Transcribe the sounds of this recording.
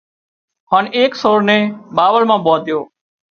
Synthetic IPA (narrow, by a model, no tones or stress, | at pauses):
haːneːksoːɾnẽːɓaːʋəlmãːɓoːt̪ɪjoː